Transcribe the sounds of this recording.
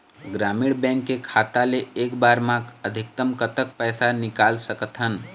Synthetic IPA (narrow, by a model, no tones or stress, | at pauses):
ɡɾamiɽbɛ̃ŋkːekʰat̪aleekbaɾmãəd̪ʱik̚t̪əmkət̪ək̚pəjsanikalsəkət̪ɦən